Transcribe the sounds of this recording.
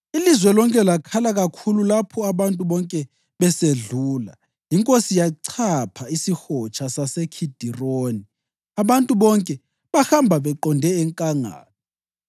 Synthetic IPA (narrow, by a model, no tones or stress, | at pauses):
ilizwɛlɔŋkʼɛlakʰalaɣakʰululapʰɔaβantʼuβɔŋkʼɛ | βɛseɮuːla̰ | jiŋkʼosijaǀʰapʰaisixɔt͡ʃʰasasɛkʰid̥ʱiroːni | aβantʼuβɔŋkʼɛ | βaxambʱaβɛǃɔndʱɛɛŋkʼaŋa̰ːnɔ